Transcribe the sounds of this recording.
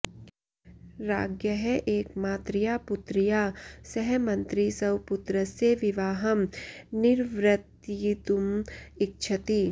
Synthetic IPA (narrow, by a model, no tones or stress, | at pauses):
ɾaːɡjɐɦɛʔeːkmaːt̪ɾijaːput̪ɾijaːsɛɦɛmɐ̃nt̪ɾisɐwput̪ɾɐseʋiʋaːɦɐmnɪɾʋɾɐt̪ːt̪umɪk̚t͡ʃʰɐt̪i